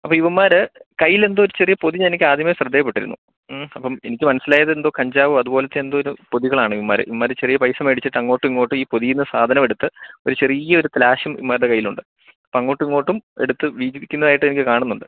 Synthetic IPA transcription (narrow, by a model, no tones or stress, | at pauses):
ɐpːoːiʋɐmːaːɾɨkɐjːile̞nd̪ɨoɾut͡ɕe̞rijɐpo̞ðiɲːnikʲːɨaːd̪ʱjɐmɐeɕrɐd̪ʱːejɐpːe̞ʈːiɾunːṵ | ɐpːɐme̞nikʲːɨmɐnɐsːilaːjɐðɨe̞nd̪o̞ːkɐɲd͡ʑaːʋɨɐðubo̞ːlet̪ːeend̪o̞ːiɾupo̞ðiɣɐɭaːɳɨiʋɐmːaːɾɨ̰ḭʋɐmːaːɾt͡ɕe̞rijɐpɐjsɐmeːɽit͡ɕːiʈːɐŋːo̞ːʈːiŋːo̞ːʈːumiːpo̞ðijinːɨsaːd̪ʱɐnɐme̞ɽut̪ːɨo̞ɾut͡ɕe̞rijɐo̞ɾut̪laːɕɐmḭmːaːɾðekɐjːiluɳɖɨ | ɐpːoɐŋːo̞ːʈːuŋːo̞ːʈːume̞̰ɽut̪ːɨʋiːd͡ʑiʋikʲːunːɐðaːjiʈːenikʲːɨkaːɳunːuɳɖɨ